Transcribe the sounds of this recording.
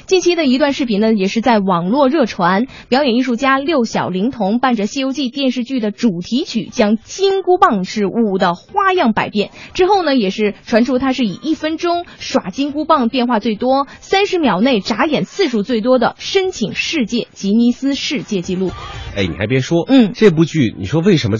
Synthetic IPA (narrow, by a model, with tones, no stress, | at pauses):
t͡ɕi˥˩nt͡ɕʰi˥d̪ə˨i˧˥t̪̬wa˥˧nʂɻ̩˥˩pʰi˧˥˩nə˧jɛ˨˩ʂɻ̩˥˧t͡sa˥˩ɪwɑ˨˩ŋlwɔ˥˧ɻɤ˥˩ʈ͡ʂʰwa˧˥n | pjɑ˧˥ʊjɛ˨˩ni˥˧ʂu˥˩t͡ɕja˥ljo˥˩ʊɕjɑ̰˨˩ʊli˧˥ŋt̪ʰʊ˧˥ŋpa˥˩nʈ͡ʂə˩ɕi˥˧jo˥ʊt͡ɕi˥˧t̪jɛ˥˧nʂɻ̩˥˧t͡ɕy˥˩d̪ə˩ʈ͡ʂu˨˩t̪ʰi˧˥t͡ɕʰy̰˨˩t͡ɕjɑ˥ŋt͡ɕi˥ŋku˥pɑ˥˧ŋʂɻ̩˥˩u˨˩d̪ə˦xwa˥˧jɑ˥˩ŋpa˨˩ɪpjɛ˥˩nʈ͡ʂɻ̩˥xo˥˩ʊnə˩jɛ˨˩ʂɻ̩˥˩ʈ͡ʂʰwa˧˥nʈ͡ʂʰu˥t̪ʰa˥ʂɻ̩˥˩ḭ˨˩ʔi˥˩fə˥nʈ͡ʂʊ˥ŋʂwa˨˩t͡ɕi˥ŋku˥pɑ˥˧ŋpjɛ˥˧nxwa˥˧t͡swe˥˩ɪt̪wɔ˥sa˥nʂɻ̩˧˥mjɑ˨˩ʊne˥˩ɪʈ͡ʂa˧˥jɛ˨˩nsɹ̩˥˧ʂu˥˩t͡swe˥˩ɪt̪̬wɔ˥d̪ə̰˨ʂə˥nt͡ɕʰi˨˩ŋʂɻ̩˥˧t͡ɕjɛ˥˩t͡ɕi˧˥ni˧˥sɹ̩˥ʂɻ̩˥˧t͡ɕjɛ˥˧t͡ɕi˥˧lu˥˩e˥ɪnḭ˨˩xa˧˥pjɛ˧˥nʂwɔ˥n̩˥˩ʈ͡ʂɤ˥˧p̬u˥˧t͡ɕy˥˩nḭ˨˩ʂwɔ˥we˥˩ɪʂə˧˥mə˧